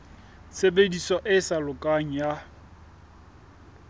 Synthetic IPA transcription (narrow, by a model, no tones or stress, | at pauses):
sebedisɔʔɪsalʊkʼaŋ̩ja